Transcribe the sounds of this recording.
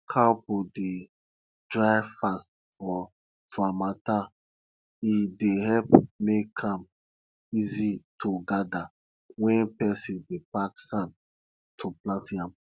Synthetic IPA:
kʰapode | dɹaɪfast | fɔ | fɔamata | ideɦɛlpmekʰãm | izitʰoɡada | wɛ̃npɛsĩndepaksãn | tʰuplãntĩãm

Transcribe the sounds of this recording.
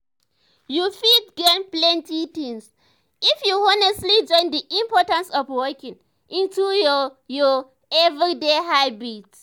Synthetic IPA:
jufidɡenplɛ̃ntitĩŋs | ifjuɔnɛstlid͡ʒɔ̃ɪ̃nd̪iʔĩmpɔtãnsɔvwɜkĩŋ | ʔĩntujɔjɔ | ɛvɹideɦaɪbit

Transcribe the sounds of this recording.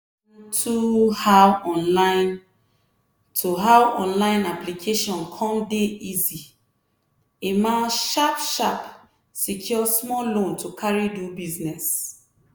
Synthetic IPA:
tʰuhawɔ̃nlãɪ̃n | tʰuɦawɔ̰̃nlãɪ̃naplikʰeʃɔ̃nkʰɔ̃mdeizi | emãʃapʃap | sikʰjɔsmɔlõntʰukʰaɹidubiznɛs

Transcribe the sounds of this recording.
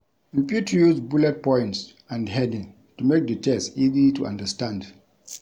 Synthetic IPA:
ɹipjutəjuzbulɛt̚pɔ̃ɪ̃nts | ãndhɛdĩ | tumek̚dətʰɛstizituã̰ndəstãnd

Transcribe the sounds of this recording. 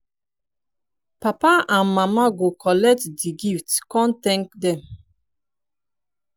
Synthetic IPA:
papaãnmamaɡokɔlɛk̚tdiɡiftkɔ̃nt̪ɛ̃ŋkdɛ̃m

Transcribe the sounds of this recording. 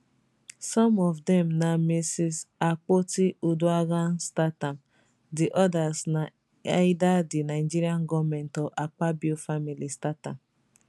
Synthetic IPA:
sɔmɔvdɛmnamesisak͡potiʔuduaɡan̩statam | dɪʔɔdasna | adadɪnaɪd͡ʒiɾiaŋ̩ɡɔmen̩tɔʔak͡pabufamilistatam

